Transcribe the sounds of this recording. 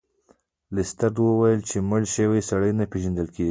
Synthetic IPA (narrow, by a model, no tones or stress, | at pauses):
lɪst̪aɾd̪wəwajəlt͡ʃeməɽʃəwesaɽəjnapeʒand̪əlkeɡi